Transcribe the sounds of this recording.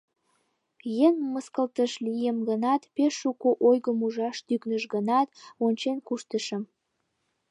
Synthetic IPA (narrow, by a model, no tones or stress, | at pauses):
jeŋməskəlt̪əʃlijəmɡənɑt̪peʃːukoʔojɣəmuʒɑʃt̪yknəʃɡənɑt̪onʲt͡ɕenkuʃt̪əʃəm